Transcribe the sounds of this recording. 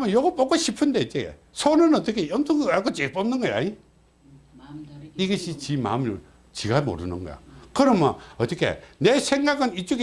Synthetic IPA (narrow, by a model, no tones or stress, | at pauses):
mʌnjʌɡʌp͈ʌk͈oɕʰipʰɯnd̪eit͡ɕ͈ḛ | sʰonɯnʌt̪͈ʌkʰejʌmtʰʌŋɡʌɡakot͡ɕep͈ʌmnɯnɡʌja̰ɲi | iɡʌɕʰit͡ɕima̰miɾo | t͡ɕiɡamo̰ɾɯnɯnɡʌ̰jo̰kɯɾʌmjʌnʌt̪͈ːʌkʰe̞̰nesʰeŋɡaɡɯnit͡ɕ͈uɡe